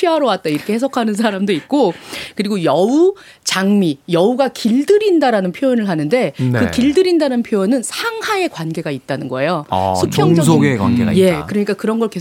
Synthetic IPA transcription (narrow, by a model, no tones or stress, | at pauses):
iaɾowat̚t͈aiɾʌkʰehe̞sʰʌkʰanɯnsʰaɾamdoit̚k͈okɯɾiɡojʌu | t͡ɕaŋmijʌuɡakiɭdɯɾindaɾanɯnpʰjoʌnɯɭɦanɯnde̞nkɯkiɭdɯɾindanɯnpʰjoonɯnsʰaŋhae̞kwanɡe̞ɡait̚t͈anɯnɡʌe̞jo̰sʰupʰjʌŋd͡ʑʌsɡekwa̰nɡea̰je̞kɯɾʌɲik͈akɯɾʌnɡʌɭke